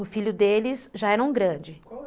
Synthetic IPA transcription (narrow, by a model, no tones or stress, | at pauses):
ʊfiʎʊd̪elɪsʒaɛɾɐ̃w̃ɡɾɐ̃d͡ʒɪ